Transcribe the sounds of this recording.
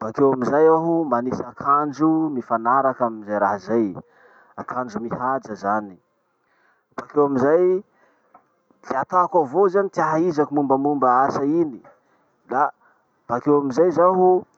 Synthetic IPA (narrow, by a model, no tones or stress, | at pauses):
bakewamizajaɦumanisakʰand͡ʒumifanaɾakamizajɾaɦzaj | akʰand͡ʒumihad͡zəzani | b̥akewamizaj | d̪iat̪akavozanit̪iaɦaizakumumbəmumbəasaini | la | vakewamizajzaɦu